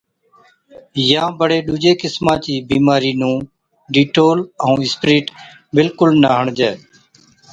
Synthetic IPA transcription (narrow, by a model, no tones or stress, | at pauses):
jãːbəɽeːɗuːd͡ʒeːkɪsmãːt͡ʃiːbiːmaːɾiːnũː | ɖiːʈoːləũːɪspɾiːʈ | bɪlkʊlnaːɦəɳd͡ʒeː